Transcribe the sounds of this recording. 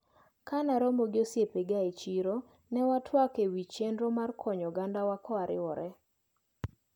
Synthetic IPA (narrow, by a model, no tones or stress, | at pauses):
kanaɾomoɡɪosjepeɡait͡ʃiɾo | nɛwatʰwakewit͡ʃendɾomarkʰɔɲɔɡandawakɔaɾɪ̰wɔɾɛ